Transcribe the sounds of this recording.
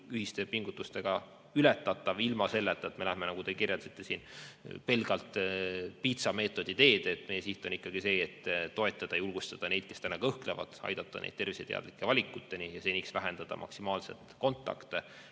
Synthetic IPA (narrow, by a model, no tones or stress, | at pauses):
yɦist̪e̞piŋɡut̪ːˑust̪e̞ɡ̥ɑ | ylet̪ːˑɑt̪ːˑɑvilmɑse̞lːet̪ːˑɑet̪me̞læhme̞nɑɡ̥ud̪̥e̞kirjɑt̪sit̪ˑːe̞siːnpe̞lɡ̥ɑlt̪pit̪sɑme̞ːt̪ːˑo̞d̪̥it̪e̞ːd̪̥et̪ːme̞jesiht̪ˑonikːɑɡ̥ise̞ːt̪ːt̪ːo̞e̞t̪ːˑɑd̪̥ɑjulɡ̥ust̪ɑd̪̥ɑne̞jd̪̥̚ke̞st̪ænːɑkɤhklevɑ̰d̪̥ɑ̰jd̪̥ɑt̪ːˑɑnḛd̪̚t̪e̞rviset̪ḛɑ̰d̪̥likːˑe̞vɑlʲikːˑut̪ːe̞nijɑseniksvæɦe̞nd̪ɑd̪̥ɑ̰mʔɑ̰ksimɑːlse̞̰t̪ko̞nt̪ːˑɑ̰kt̪e